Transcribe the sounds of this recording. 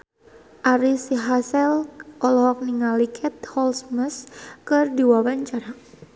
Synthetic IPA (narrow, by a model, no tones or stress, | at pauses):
ʔaɾisiɦasɛlʔɔlɔɦɔk̚niŋalikʰɛt̪̚hɔlsməskɨrdiwawaɲt͡ʃaɾa